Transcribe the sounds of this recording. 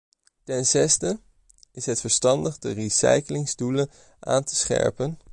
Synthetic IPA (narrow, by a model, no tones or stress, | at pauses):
tɛnzɛstə | ɪsɦətfəɹstɑndəχdərisɛ̰jkəlɪŋzdulən | ʔa̰ːntə̥sχɛ̰ɹpən